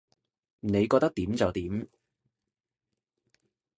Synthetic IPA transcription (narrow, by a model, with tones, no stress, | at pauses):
ne˨˧jkɔ˧t̪ɐ˥k̚t̪iː˨˥mt͡sɐ˨wt̪iː˨˥m